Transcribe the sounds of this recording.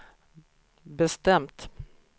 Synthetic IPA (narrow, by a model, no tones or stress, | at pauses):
bɛst̪ɛmt̪